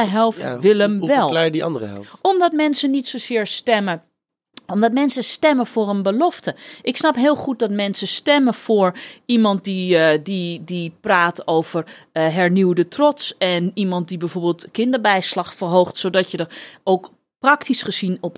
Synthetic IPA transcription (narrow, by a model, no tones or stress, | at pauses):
əɦɛlˠftʋɪlˠəmʋɛlˠlɛiɑ̰ndəəɦɛ̰lɔmdɔt̚mɛnsənitsosɪːɹstɛmə | ɔmdɔtmɛnsəstɛməfoːrənbəlɔftəʔɪksnɑpɦɪːlˠχut̚dɔtmɛnsəstɛməfoːɹimɑnt̚dididipraːtʰowv̥ərɦɛɹniwdətrɔtsɛnimɑnt̚dibɛjvoːɹbeːlˠtkɪndəɹbɛjslɑχfərɦowxtsodɔtjədəowk | prɑktisχəz̥inɔp